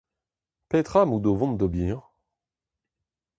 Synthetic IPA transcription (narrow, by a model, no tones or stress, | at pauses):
pɛt̪χamud̪ovɔ̃md̪ɔbiʁ